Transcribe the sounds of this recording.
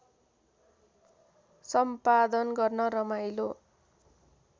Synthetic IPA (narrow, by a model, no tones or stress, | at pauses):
sʌmpad̪ʌnɡʌrnʌɾʌmajlo